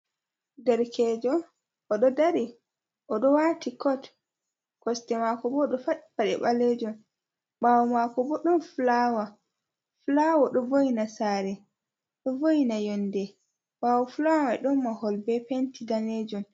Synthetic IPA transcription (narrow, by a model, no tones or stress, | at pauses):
dɛɾkʰɛd͡ʒɔ | ʔɔɗɔdaɾi | ʔɔɗɔwatikɔt | kɔstɛmakɔbɔɗɔfaɗbaɗɛ̰ɓaled͡ʒɔn | ɓawɔmakɔbɔɗɔnflawa | flawɔɗɔvojinasaːɾɛ | ɗɔvojinajɔndɛ | ɓawɔflawawaɗɔnːahɔlbɛpentidaned͡ʒɔn